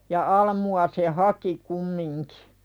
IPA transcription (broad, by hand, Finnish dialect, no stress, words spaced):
jɑ ɑlmuɑ se hɑki kumːiŋki̥